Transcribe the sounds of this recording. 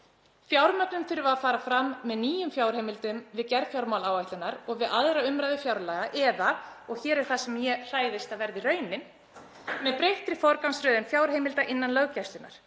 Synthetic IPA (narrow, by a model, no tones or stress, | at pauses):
fjawɾmœpnʏmθʏɾvaafaːɾafɾamːɛðniːjʏmfjawɾ̥hejmɪlt̪ʏmvɪðcɛɾfjawɾmawlaːwajht̪ɪnaɾɔɣvɪðaðɾaʏmɾajðʏfjawɾlaɣaʔɛðaɔɣçɛːɾɛɾ̥θasɛmjɛr̥aːjðɪst̪aðvɛɾðirœːɥnɪn | mɛðpɾejht̪ɾɪfɔɾkawnsɾœːðɪnfjawɾ̥hejmɪlt̪aʔɪnːanlœɣcɛst̪ʏna̰ɾ̥